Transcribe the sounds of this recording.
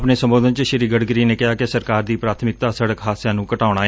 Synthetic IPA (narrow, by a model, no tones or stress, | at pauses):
pneːsəmboːd̪ənt͡ʃəʃɪɾiːɡəɽɡəɾiːneːkɪɦaːkɪsəɾkaːɾd̪iːpɾaːt̪ʰmɪk̚t̪aːsəɽəkɦaːsjaːnũːkəʈaːʊɽ̃aːe